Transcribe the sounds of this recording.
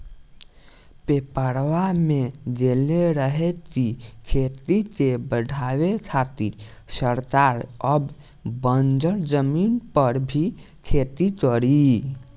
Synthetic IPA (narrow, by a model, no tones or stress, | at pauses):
pepəɾʋamed̪eleɾəɦɛkikʰet̪it̪ebəɖʱaʋet͡ʃʰat̪iɾsəɾt̪aɾəb | bənd͡ʒəɾd͡ʒəminpəɾbʱi | kʰet̪ikəɾi